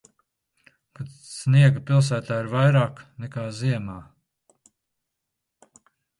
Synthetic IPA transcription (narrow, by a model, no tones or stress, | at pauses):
kat̪ | sniɛɡapilˠs̬æːt̪aːiɾvajɾaːknɛkaːziɛmaː